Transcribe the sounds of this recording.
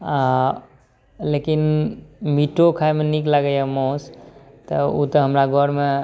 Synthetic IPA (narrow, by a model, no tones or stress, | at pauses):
a | lekinmiʈokʰaemeniklaɡəjamɔ̃s | t̪əut̪əɦəmɾaɡʱɔɾme